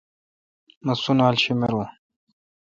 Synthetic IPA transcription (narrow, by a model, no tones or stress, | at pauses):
mɐsunaːlɕimeɾu